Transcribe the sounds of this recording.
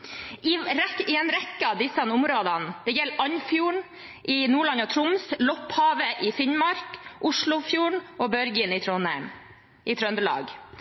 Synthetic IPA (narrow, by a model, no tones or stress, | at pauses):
ɪɾɛkɪɛnɾɛkːəɑd̪ɪsɑnʊmɾoːd̪ɑnd̪̥ɛjɛlːʔɑɲfjuːɳ | ʔɪnuːɭɑnɔt̪ʰɾʊmslɔphɑːʋəʔɪfɪnmɑɾkʔʊʂɭʊfjuːɳʔɔbœɾɡənɪt̪ʰɾɔnæɪm | ʔɪt̪ʰɾœnd̪əɭɑ̰ːɡ